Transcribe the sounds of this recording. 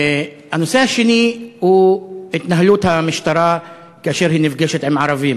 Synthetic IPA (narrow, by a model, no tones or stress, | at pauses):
hanːosehaʃinihuet̪naɦluːt̪hamɪʃt̪ɑɾˤa | keʔaʃeɾhiːnɪfɡeʃet̪ʕɪmʕɑɾˤɑviːm